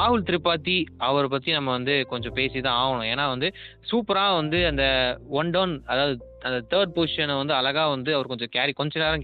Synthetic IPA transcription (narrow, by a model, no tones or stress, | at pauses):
aːɦɯlt̪ɪɾɪpːaːt̪ːiɐʋɐɾpɐt̪ːinɐmːɐʋɐnd̪ɯkɔɲd͡ʒɔ̃peːsit̪ãːaːɣɐɳʊ̃eːnːaːʋɐnd̪ɯsuːpɐɾaːʋɐnd̪ɯɐnd̪ɐʋɐɳɖoːnɐðaːʋɐðɯ | ɐnd̪ɐt̪ʰɐːɾɖ̚poːsɪʂɐnɐʋɐnd̪ɯɐlɐɣaːʋɐnd̪ɯɐʋɐɾkɔɲd͡ʒɔ̃kaːɾikɔɲd͡ʒɐnaːɾɐ̃